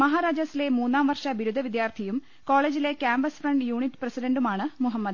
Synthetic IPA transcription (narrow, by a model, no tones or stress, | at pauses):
mɐɦaːɾaːd͡ʑɐsile̞muːnːaːmʋɐrʂɐʋiɾud̪ʱɐʋid̪jaːrt̪ʰijum | ko̞ːɭe̞ːd͡ʑile̞kjaːmbɐsfrɐɳɖjuːɳiʈːprɐsiɖɐɳɖumaːɳɨmuɦɐmːɐd̪